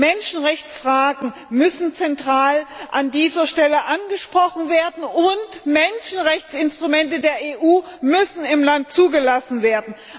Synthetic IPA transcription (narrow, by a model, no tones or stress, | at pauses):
mɛnʃn̩ʁɛçt͡sfʁ̥aːɡŋ̩mʏsn̩t͡sɛntʁ̥aːlʔandiːzɐʃtɛləʔanɡəʃpʁ̥ɔχn̩veːɐdn̩ʊntmɛnʃn̩ʁɛçt͡sɪnstʁ̥umɛntədeːɐeːʔuːmʏsn̩ɪmlant̚t͡suːɡəlasn̩veːɐdn̩